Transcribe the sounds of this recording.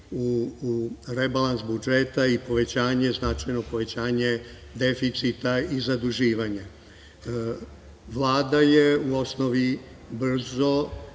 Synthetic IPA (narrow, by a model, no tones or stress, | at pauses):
u | ɾebalˠansbud͡ʒe̞t̪aipo̞ʋe̞t͡ɕaːɲe̞znat͡ʃajno̞po̞ʋe̞t͡ɕaːɲe̞ | d̪e̞fit̪sit̪aizad̪uʒiːʋaɲa | ʋlˠaːd̪ajeuosno̞ʋi | br̩zo̞